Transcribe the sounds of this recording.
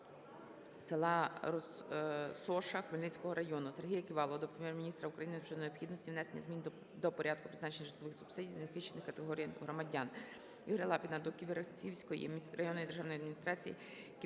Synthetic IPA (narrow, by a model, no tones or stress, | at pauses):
selˠɑrɔ | sɔʃɐxʋelʲnɪt͡sʲkɔɦɔɾɐjɔnʊserɦʲijɐkɪʋɑlˠɔɔd̪ɔpɾemʲjɛrmʲinʲist̪ɾɐukɾɐjinɪnt͡ʃɔd̪nɔjɔpxʲid̪nɔsʲtʲiʋnɛsenʲːɐzmʲin | d̪ɔpɔɾʲʔɑd̪̚kʊpɾɪznɑt͡ʃenʲːɐʒɪt̪lˠɪʋɪxsʊ̥bsɪdʲijzɐxɪʃt͡ʃːenɪxkɐt̪eɦɔɾʲijɦɾɔmɐdʲɑn | iɦɾɐlˠɑpʲinɐd̪ɔkiʋiɾɐt͡sʲiwsʲkɔjḭrɐjɔnɔjid̪eʒɑwnɔjɐd̪mʲinʲist̪ɾɑt͡sʲijḭ | k